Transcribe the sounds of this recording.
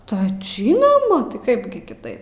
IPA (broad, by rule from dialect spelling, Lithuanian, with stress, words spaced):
tɐɪ ˈʒʲiːnoːmɐ tɐɪ ˈkɐɪp ɡʲɪ kʲɪˈtɐɪp